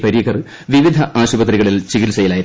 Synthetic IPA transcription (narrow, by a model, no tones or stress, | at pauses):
pɐɾijɐkɐrɨ | ʋiʋid̪ʱɐʔaːɕubɐt̪̬riɣɐɭilt͡ɕiɣilsɐjilaːjiɾ